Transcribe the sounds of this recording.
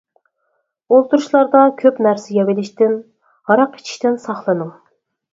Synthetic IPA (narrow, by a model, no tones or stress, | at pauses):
olˠt̪uɾuʃlˠɑɾd̪ɑkʲʰøpnæɾsɪjɑvɪlɪʃt̪ɪn | hɑɾɑqi̥t͡ʃʰi̥ʃt̪ɪnsɑχlˠɨnɨŋ